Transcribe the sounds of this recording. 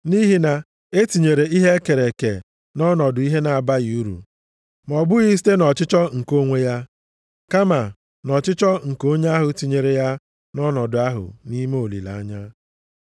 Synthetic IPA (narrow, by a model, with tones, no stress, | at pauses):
ni˦ɦi˨na˨ | e˦ti˨ɲe˨ɾe˨i˦ɦe˦ke˨ɾe˨kḛ˨ | nɔ˦nɔ˨dʊ˨i˦ɦe˦na˨a˨ba˦ɣi˨u˦ɾṵ˨ | m˨ɔ˨bʊ˦ɣi˦s̬i̥˦te˦nɔ˨t͡ʃɪ˦t͡ʃɔ˦ŋ̩˨ko˦ŋʷe˦ja˦ | ka˦ma˨ | nɔ˨t͡ʃɪ˦t͡ʃɔ˦ŋ̩˨ko˦ɲe˦a˦ɦʊ˨ti˨ɲe˨ɾe˨ja˦ | nɔ˦nɔ˨dʊ˨a˦ɦʊ̰˨ni˦me˦o˨lḭ˨la̰˨a˦ɲa˦